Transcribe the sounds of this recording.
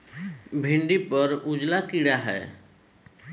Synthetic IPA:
bʱiɳɖipəɾud͡ʒlakiɽaɦɛ̰ː

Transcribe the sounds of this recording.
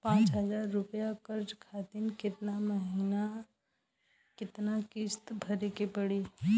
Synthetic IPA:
pãːt͡ʃɦəd͡ʒaːɾːʊpjakəɾd͡ʒkʰat̪inkɪt̪naməɦiːna | kɪt̪nakɪst̪bʱəɾekepəɽi

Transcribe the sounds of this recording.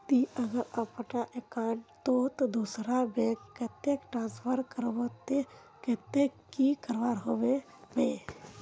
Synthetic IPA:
t̪iəɡəɾəpnaʔekãːɳt̪ot̪od̪usɾabeːkkːet̪ekʈɾãːspʰəɾkəɾʋot̪e | ket̪ekikəɾʋaːɾɦoʋe | beː

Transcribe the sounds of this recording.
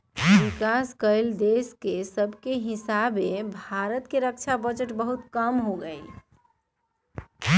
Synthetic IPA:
bikaskəɪld̪eskesəbʱkeɦisabebʱaɾət̪keɾək̚t͡ʃʰabəd͡ʒəʈbəɦut̪kəmɦoɡəi

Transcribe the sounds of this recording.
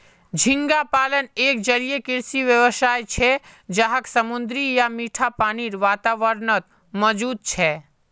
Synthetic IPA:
d͡ʒʱɪ̃ŋɡapaːləneːk̚d͡ʒəlijekɪɾsiʋjəʋəsaːjt͡ʃʰɛd͡ʒaɦəksəmʊnd̪ɾijamiːʈʰapaːniɾʋaːt̪aːʋəɾnət̪̚ | mɔd͡ʒuːd̪̚t͡ʃʰɛː

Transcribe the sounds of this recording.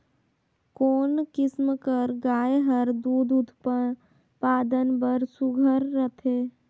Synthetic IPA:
koːnkɪsmkəɾɡaːjɦəɾd̪uːd̪ut̪p | paːd̪ənbəɾsuɡʱəɾːət̪ʰeː

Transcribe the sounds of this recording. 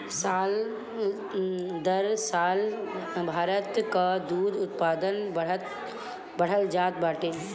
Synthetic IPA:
saːl | d̪əɾsaːlbʱaːɾət̪kad̪uːd̪ʊt̪paːd̪ən | bəɽ̤əld͡ʒaːt̪̚baːʈeː

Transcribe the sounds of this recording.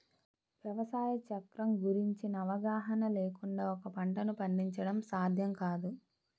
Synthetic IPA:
ʋjɐʋɐsaːjɐt͡ʃɐkɾɐmɡuɾiɲt͡ʃinɐːʋɐɡaːɦɐnɐleːkuɳɖaːɔkɐpɐɳʈɐnupɐɳɖiɲt͡ʃɐɽɐmsaːd̪ʱjɐmkaːd̪u

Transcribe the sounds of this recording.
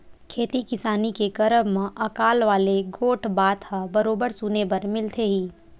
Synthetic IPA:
kʰeːt̪ikɪsaːnikeɡɐɾəbmãʔɐkaːlʋaːleɡoːʈʰbaːt̪ɦabɐɾoːbəɾsuːnepɐɾmɪlt̪ʰeɦiː

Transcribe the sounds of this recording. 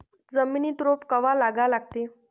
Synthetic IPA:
d͡zəminiːt̪ɾopkəʋalaɡalaɡ̚t̪e

